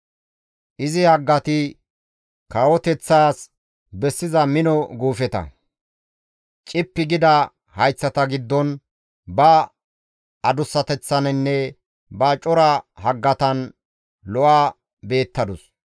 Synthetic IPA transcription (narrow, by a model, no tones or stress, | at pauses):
ʔɪzɪhɐɡːɐt̪ɪ | kaːwɔt̪ɛt͡sːaːs | bɛsːɪzɐmɪnɔɡuːfɛt̪ɐ̰ | t͡ʃʼɪpːɪɡɪd̪ɐ | hɐjt͡sːɐt̪ɐɡɪd̪ːɔn | bɐ | ɐd̪ʊsːɐt̪ɛt͡sːɐnɛnːɛ | bɐt͡ʃʼɔɾɐhɐɡːɐt̪ɐn | lɔʔaː | be̞ːt̪ːɐd̪ʊs